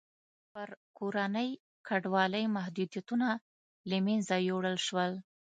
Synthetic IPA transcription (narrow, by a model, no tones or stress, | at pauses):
pəɾkoɾanəj | kaɖwɑləjmahd̪ud̪jat̪una | lamenzajowɽəlʃwəl